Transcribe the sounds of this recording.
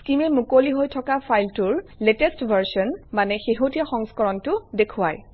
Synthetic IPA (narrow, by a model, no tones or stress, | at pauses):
skimɛmukoliɦojtʰɔkapʰajltʊɹletɛstbʱaɹsɔnmanɛxeɦotijaxɔŋskɔɹɔntʊdekʰʊwa̰j